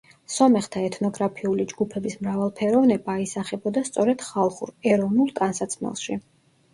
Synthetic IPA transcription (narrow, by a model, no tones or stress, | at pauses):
sɔmɛχt̪ʰaɛt̪ʰnɔɡɾapʰiulid͡ʒɡupʰɛbismɾavalˠpʰɛɾɔvnɛbaːisaχɛbɔd̪ast̪sʼɔɾɛd̪̥χalˠχuɾɛɾɔvnulˠk̪ʼansat̪sʰmɛ̰lˠʃi